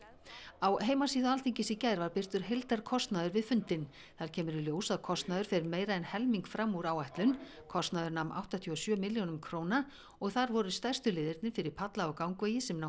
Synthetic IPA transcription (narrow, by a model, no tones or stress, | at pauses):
awɦeːjmasiːðʏalθiɲcɪsɪcaːjɾvaɾpɪr̥t̪ʏɾ̥ɦejlt̪aɾ̥kʰɔst̪naðʏɾvɪðfʏnt̪ɪn | θaɾ̥cʰɛːmʏɾɪljoːwsaðkʰɔst̪naðʏɾ̥fɪɾɪɾmeːjɾaɛnhɛlmiŋkfɾamuɾaːwajht̪lʏn | kʰɔst̪naðʏɾnamʔa̰wht̪at̪ʰyɔsjœːmɪljownʏmkʰɾoːwna | ɔɣθaɾvɔɾʏst̪ajr̥st̪ʏlɪːðɪɾt̪nɪfɪɾɪɾ̥pʰat̪laɔkawŋkveːjɪsɛmnaw